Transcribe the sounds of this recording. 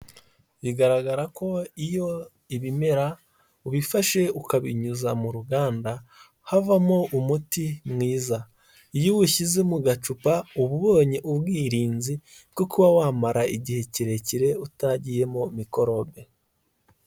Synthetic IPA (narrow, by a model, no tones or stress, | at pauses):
βiɡaɾaɡaɾako̞ijo̞ | iβime̞ɾa | uβifaʃe̞ukaβiɲuzamuɾuɡaːnda | havamoʔumutimŋiːza | ijuwuʃize̞muɡat͡ʃupauβuβo̞ːɲeʔubɡiːɾiːnzi | ɡokuβawaːmaɾaiɟihe̞ciɾe̞ciɾe̞utaɟije̞momiko̞ɾo̞be̞